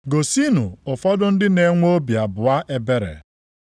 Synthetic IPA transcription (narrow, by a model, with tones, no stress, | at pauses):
ɡo˨si˦nu˨ʊ˨fɔ˦dʊ˦n̩˦dɪ˦ne˨ŋʷo˦bja˨bʊ˨a˦ʔe˦be˦ɾḛ˨